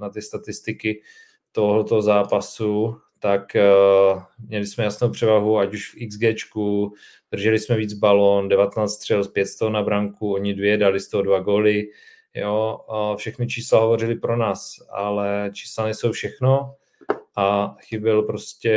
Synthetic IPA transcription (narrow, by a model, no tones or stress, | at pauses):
nat̪ɪst̪at̪ɪst̪ɪkɪ | t̪oɦlɛt̪oɦozaːpasu | t̪ak | mɲɛlɪsmɛjasnowpr̥ɛvaɦuacuʃfʔɪɡzɡɛːt͡ʃku | d̪̥r̩ʒɛlɪsmɛviːd͡zbalondɛvat̪ɛnaːt͡st̪rɛlspjɛt̪st̪oɦonabɾaŋkuoɲɪdvjɛdalɪst̪oɦodvaɡo̞ːlɪ | joːfʃɛxnɪt͡ʃiːslaɦovo̞rɪlɪpɾo̞naːsʔa̰lɛt͡ʃi̥ːslanɛsowfʃɛxno | ʔaxɪbɪlpɾo̞scɛ